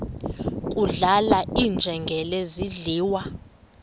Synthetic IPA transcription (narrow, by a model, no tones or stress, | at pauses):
kʼuɮalaʔind͡ʒʱɛŋɡʱɛleziɮiːwa